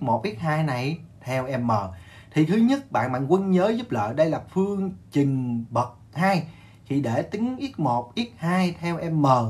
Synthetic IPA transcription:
mo˨˩t̚ʔi˦˥t̚haː˧jna˨˩jt̪ʰɛ˧wʔɛ˧mːəː˨˩ | t̪ʰi˨˩k̪ʰɨ˨˦ɲə˦˥t̚ɓa̰ː˧˨nɓa̰ː˧˨nkwə˧nɲəː˨˦zu˦˥p̚lə̰ː˧˨jɗə˧jlaː˨˩fɨ˧əŋt͡ɕï˨˩ŋ̟ɓə˨˩t̚haː˧j | kʰi˨˩ɗe˧˩t̪ï˨˦ŋʔi˦˥ət̚mo˨˩t̚ʔi˦˥ət̚haː˧jt̪ʰɛ˧wʔɛ˧mːəː˨˩

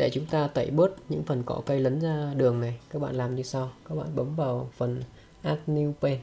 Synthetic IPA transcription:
ɗe˧˩t͡ɕʊ˨˦ŋ͡mt̪aː˧t̪ə˧˩jɓɨ˦˥ət̚ɲɨ̰˧˥ŋfə˨˩nkɔ˧˩kə˧jlə˨˦nzaː˧ɗɨ˨˩əŋna˨˩jkaː˦˥k̚ɓa̰ː˧˨nlaː˨˩mɲɨ˧sa˧wkaː˦˥k̚ɓa̰ː˧˨nɓə˨˦mvaː˨˩wfə˨˩n | ʔaː˦˥t̚ni˧wpe˧n

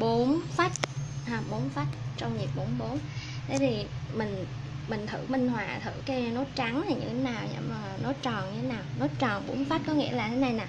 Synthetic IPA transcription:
ɓo˨˦nfa˦˥t̚haː˨˧˩ɓo˨˦nfa˦˥t̚t͡ɕɔ˧wŋ͡mɲi˨˩p̚ɓo˨˦nɓo˨˦nt̪ʰe˨˦jt̪ʰi˨˩mï˨˩ŋ̟ | mï˨˩ŋ̟t̪ʰɨ̰˧˩˨mï˧ŋ̟hwaː˨˩t̪ʰɨ̰˧˨ke˧wɲa˧no˨˦t͡ɕa˨˦ŋnlaː˨˩ɲɨ̰˧˥ŋʰe˨˦naː˨˩wɲɨ̰˧˩maː˨˩˨no˨˦t͡ɕɔ˨˩nɲɨ˧t̪ʰe˨˦naː˨˩wno˨˦jt͡ɕɔ˨˩nɓo̰˨˦nfa˦˥t̚kɔ˨˦ŋḭ˧˥əlaː˨˩t̪ʰe˨˦na˧jnaː˨˩

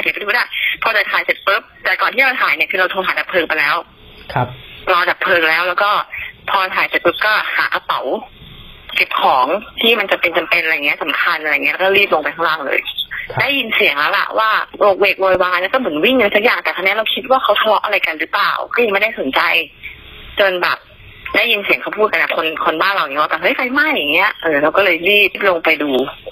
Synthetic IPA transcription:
a˧˩kʰpt̪ʰuː˦˥la˥˩pʰɔː˧t͡ɕaː˨˩t̪ʰaː˨˦jse˨˩t̪̚pɤ˦˥p̚t̪ɛː˨˩kɔː˨˩t̪ʰiː˥˩ɾa˧wt̪ʰaː˨˩˦jni˥˩kʰɯː˧ɾa˧wt̪ʰːt̪aː˩˦nda˨˩pʰɤː˧ŋpa˧jlɛː˦˥wʰ | lɔː˧nda˨˩pʰɤː˧ŋlɛː˦˥wlɛː˦˥wkɔː˥˩pʰɔː˧ɾa˧t̪ʰaː˨˦jse˨˩t̪̚pɤ˦˥p̚kɔː˥˩ha̰ː˩˦ka˧pa˨˩˦w | ke˨˩p̚kʰɔː˩˦ŋt̪ʰiː˥˩ma˧nt͡ɕa˧pe˧nt͡ɕa˧mpe˧nʔɾjaː˨˩i˦˥sa˨˩˦mkʰa˧nʔɾa˧˨˩i˦˥˧kɔː˥˩ɾi˥˩p̚lo˧ŋpa˧jt̪ʰa˥˩laː˧˩lɤ̰ː˧jdaː˥˩jːi˧nsi˨˩˦əŋlɛː˦˥wla̰˨˩ʔwʔaː˥˩loː˨˩k̚weː˨˩k̚wɔː˧waː˧nlɛː˧˦˥wkɔː˥˩mɯ˩˦nwi˥˩ŋaː˧˥jsa˦˥k̚jaː˨˩ŋt̪ɛː˨˩a˧ni˦˥ɾa˧wkʰi˦˥t̪̚waː˥˩kʰa˦˥wt̪ʰa˧lɔ˦˥ʔa˧a˧jka˧nɾɯː˦˥pla̰ː˨˩wkɔː˥˩jm˥˩jdaː˥˩so˨˩˦nt͡ɕa˧j | t͡ɕo˧nbɛ̰ː˨˩p̚ | daː˥˩jːi˧nsi˨˩˦kʰa˥˩wpʰuː˥˩ka˧nʔa̰˨˩kʰo˧nkʰo˧nbaː˥˩nɾa˧wniː˨˦˥waː˥˩aː˧˩ɦɤ˦˥˩jpa˧jma˥˩ja˨˩ŋːi˦˥ɐ˧ʔɤː˧˩ɾa˧wkɔ˥˩lɤː˧jliː˥˩˥p̚lo˧ŋpa˧jduː˧

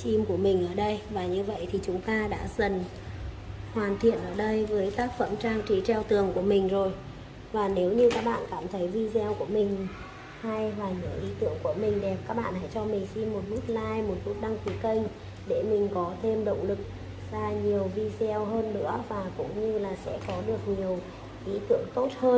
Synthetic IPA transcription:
t͡ɕi˧mku˧˩əmï˨˩ŋ̟ʔəː˧˩ɗə˧jvaː˨˩ɲɨ˧və̰˧˨jt̪ʰi˨˩t͡ɕʊ˨˦ŋ͡mt̪aː˧ɗa̰ː˧˥zə˨˩n | hwaː˨˩nt̪ʰḭ˧˨ənʔəː˧˩ɗə˧jvəː˨˦jt̪aː˦˥k̚fə̰˧˥˩mt͡ɕaː˧ŋt͡ɕi˨˦t͡ɕɛ˧wt̪ɨ˨˩əŋku˧˩əmï˨˩ŋ̟zo˨˩j | vaː˨˩ne˨˦wɲɨ˧kaː˦˥k̚ɓa̰ː˧˨nkaː˧˩mt̪ʰə˨˦jvi˧zɛ˧wku˧˩əmï˨˩ŋ̟ | ha˧jvaː˨˩ɲɨ̰˧˨˩əwʔi˨˦t̪ɨ̰˧˨əŋku˧˩əmï˨˩ŋ̟ɗɛ˨˩p̚kaː˦˥k̚ɓa̰ː˧˨nha̰ː˧˥jt͡ɕɔ˧mï˨˩ŋ̟si˧nmo˨˩t̚mɨ˦˥k̚laː˧jmo˨˩t̚mu˦˥t̚ɗa˧ŋfi˨˦kə˧jŋ | ɗe˧˩mï˨˩ŋ̟kɔ˨˦t̪ʰe˧mɗə̰˧˨wŋ͡mlɨ˨˩k̚ | zaː˧ɲi˨˩əwvi˧zɛ˧wɦəː˧nːɨ̰˧˥əvaː˨˩kʊ̰˧˥ŋ͡mɲɨ˧laː˨˩sɛ̰˧˥kɔ˨˦ɗɨ˨˩ək̚ɲi˨˩əw | ʔi˨˦t̪ɨ̰˧˨əŋt̪o˦˥t̚həː˧

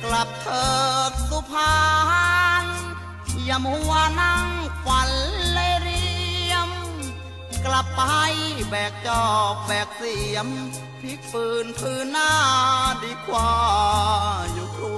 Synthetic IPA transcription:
kla˨˩p̚t̪ʰɤː˧˩t̪̚su˧pʰaː˧haː˧˥n | ji˧˩˧mhu˧əna˧˥˩ŋkwa˨˦nle˧ɾi˧˥əm | kla˨˩p̚ːha˧˩jbɛː˨˩k̚t͡ɕɔː˧˨˩k̚bɛː˨˩k̚si˧˩əm | t̪ʰi˧˥˦pɯː˧˩npʰɯː˧nːaː˧˥˩diː˧˥kʰwaː˧ | ju˧˩kʰu˧

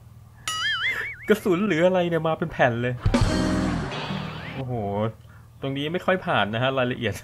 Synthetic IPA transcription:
kɯ˥˩su˩˦nlɯː˩˦ʔa˧ɾa˧jni˥˩ɐmaː˧pe˧npʰɛ˨˩nlɤː˧j | ʔoː˨˩hoː˨˩˦ | t̪o˧ŋniː˦˥ma˥˩jxʰɔ˥˩jpʰaː˨˩nːa˦˥kʰa˦˥ɾaː˧jla˧ʔi˨˩ət̪̚

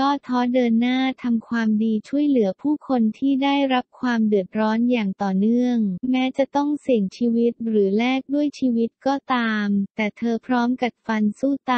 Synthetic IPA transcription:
kɔː˥˩t̪ʰɔː˦˥dɤː˧nːaː˥˩t̪ʰa˧mkʰwaː˧mdiː˧t͡ɕʰu˥˩əjlɯ˩˦ɐpʰuː˥˩kʰo˧nt̪ʰiː˥˩daː˥˩jɾa˦˥p̚kʰwaː˧mdɯ˨˩ət̪̚ɾɔː˦˥njaː˨˩ŋt̪ɔː˨˩nɯ˥˩əŋmɛː˦˥t͡ɕa˨˩t̪ɔ˥˩ŋsi˨˩əŋt͡ɕʰiː˧wi˦˥t̪̚ɾɯː˩˦lɛː˥˩k̚du˥˩əjt͡ɕʰiː˧wi˦˥t̪̚kɔː˥˩t̪aː˧mt̪ɛː˨˩t̪ʰɤː˧pʰɾɔː˦˥mka˨˩p̚fa˧nsuː˥˩t̪a˧

